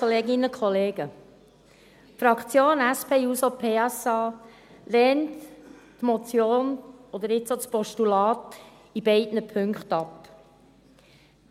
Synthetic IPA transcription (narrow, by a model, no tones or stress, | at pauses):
oleːɡɪnəkχɔleːɡə | fɾɑkχt͡sjoːnæspʰeːuːsopʰeːɑsɑː | lɛːnttmɔt͡sjoːnɔd̪əɾɪt͡sot͡spɔʃtulɑːt | ib̥ɛɪdnəpʰʏŋkχtɑp